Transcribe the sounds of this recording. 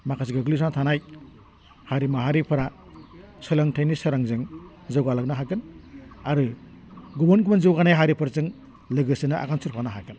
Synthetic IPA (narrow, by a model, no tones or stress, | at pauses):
makʰas̬iɡɯɡlisantʰanaj | haɾimaɦaɾipʰɯɾa | sɯlaŋtʰajnisɯɾaŋzɯŋ | zawɡalak̚naɦaɡɯnaɾɯ | ɡubɔnɡumanzɯwɡanajɦaɾipʰɯɾzɯŋ | lɯɡɯsɯnaʔa̰ɡansuɾpʰanaɦaɡɯn